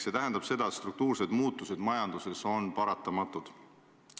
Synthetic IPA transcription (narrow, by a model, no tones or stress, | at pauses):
se̞t̪æɦend̪̥ɑb̥se̞d̪̥ɑet̪st̪ɾuk̚t̪uːrse̞d̪̥muːt̪ːˑuse̞d̪̥mɑjɑnd̪̥use̞so̞npɑɾɑt̪ːˑɑmɑt̪ːˑud̪̥